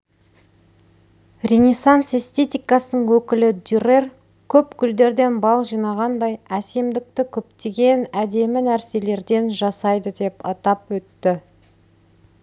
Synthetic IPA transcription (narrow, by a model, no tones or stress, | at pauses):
rʲenʲesanse̞st̪e̞t̪ijkɑsənəɴwɵkʲɪlɪd̪yrer | kʲʰɵpkʲʰʏld̪e̞ɾd̪e̞nbɑlˠʒijnɑʁɑnd̪ɑjæse̞md̪ɪk̚t̪ɪkʲʰɵp̚t̪e̞ɡʲe̞næd̪e̞mɪnæɾse̞le̞ɾd̪e̞nʒɑsɑjd̪əd̪e̞pɑt̪ɑpwɵt̪ːɪ